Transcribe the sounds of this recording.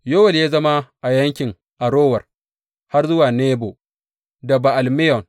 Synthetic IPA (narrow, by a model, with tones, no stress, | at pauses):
jo˦wɐ˨ljaː˦zɐ˦ma˦ʔa˨jɐ˦ŋkʲɪ˨ŋ | ʔa˨ɾoː˦wɐ˨r | ha˦rzʊ˦waː˨neː˦bo˨ | dɐ˨ba˨ʔa˨lmɪ˦jɔ˨ŋ